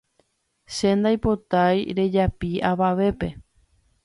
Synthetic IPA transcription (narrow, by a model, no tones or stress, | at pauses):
ʃe̞nd̪ajpo̞t̪ajɾe̞d͡ʒapiaʋaʋe̞pe̞